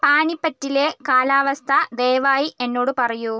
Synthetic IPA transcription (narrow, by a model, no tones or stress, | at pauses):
paːnipːɐtːilekaːlaːʋɐst̪ʰɐd̪ejʋaːjiʔe̞nːo̞ːɽɨpɐrɐju